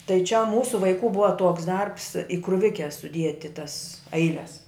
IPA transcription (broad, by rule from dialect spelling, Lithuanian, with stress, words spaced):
tɐɪ t͡ʃʲɛ ˈmuːsʊ ʋɐɪˈkuː ˈbʊʋɐ ˈtuɔks ˈdɐrps ɪ krʊˈʋʲɪkʲɛ sʊˈdʲiɛtʲɪ tɐs ˈɐɪlʲɛs